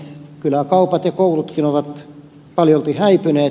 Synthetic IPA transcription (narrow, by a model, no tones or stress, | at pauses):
kylækɑupɑt̪jɑkoulut̪kinoʋɑt̪ | pɑljoolt̪ihæipyneː